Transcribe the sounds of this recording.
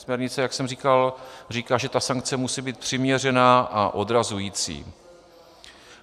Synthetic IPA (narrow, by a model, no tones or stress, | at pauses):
smɲɛɾɲɪt͡sɛjaksɛmriːkalriːkaːʒɛt̪asaŋk̚t͡sɛmusiːbiːt̪̚pr̥ɪmɲɛr̝ɛnaːʔaʔo̞dɾazujiːt͡sḭː